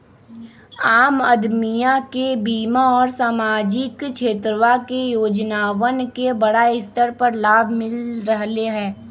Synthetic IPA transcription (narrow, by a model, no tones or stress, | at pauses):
aːməd̪mijakebiːmaɔːɾsaːmaːd͡ʒɪkʃʰeːt̪ɾəʋakejoːd͡ʒnaːʋənkebɐɽaɪst̪əɾpəɾlaːbʱmɪlɾəɦleɦɛ̃ː